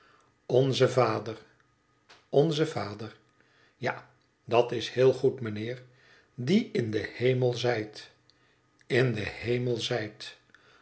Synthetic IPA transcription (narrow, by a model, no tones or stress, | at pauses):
ɔnzəvaːdər | ɔnzəvaːdər | ja | dɑtɪshɪːlˠχutmənɪːɹ | diɪndəhejməlˠzɛjt | ɪndəhejməlˠzɛjt